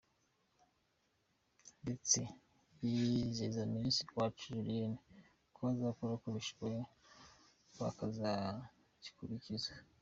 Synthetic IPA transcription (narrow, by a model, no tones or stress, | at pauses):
ndet͡se | jizezaminsi̥kwat͡ʃuʒuɾiene | koazakuɾakuɾiʃwe | wakaza | ci̥kuɾiciza